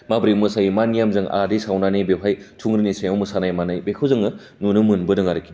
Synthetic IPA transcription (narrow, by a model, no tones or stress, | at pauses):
mabɾimɯsajimanijamzɯŋa̰disawnanebepʰajtʰuŋɾinisajawmɯsanajmanajbekʰɯwzɯŋɯ | nunɯmɯnbɯdɯŋaɾɯkʰːi